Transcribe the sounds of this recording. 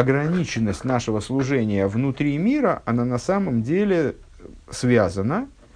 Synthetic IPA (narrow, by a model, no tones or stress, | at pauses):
ɐɡɾɐnʲit͡ɕɪnːəsʲtʲnaʂɨvəslˠʊʐɛnʲɪjəvnʊt̪ɾʲimʲiɾəʔɐnanɐsaməmdʲelʲɪ | svʲazənə